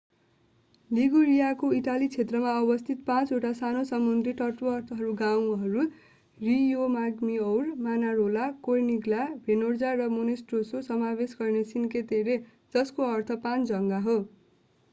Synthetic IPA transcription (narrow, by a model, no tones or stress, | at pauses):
liɡuɾijakoiʈalit͡sʰet̪rʌmaʌbʌst̪ʰit̪pãt͡soʈasanosʌmːund̪riʈʌʈoʌrt̪ʰʌɦʌɾuɡaw̃ɦʌɾu | rijomaɡmiʌwrmanaɾolakojniɡlabʱenord͡zarʌmonesʈrososʌmabesɡʌrnesinket̪eɾe | d͡zʌskoʌrt̪ʰʌpãnd͡zʌŋɡaɦo